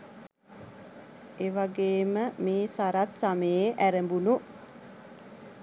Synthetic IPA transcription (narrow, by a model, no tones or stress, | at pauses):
eʋaɡeːməmeːsaɾat̪saməjeʔæɾəmbunu